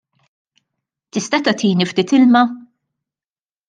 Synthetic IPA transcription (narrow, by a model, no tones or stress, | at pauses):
t̪ɪst̪ɐt̪ɐt̪iːnift̪iːt̪ɪlmɐ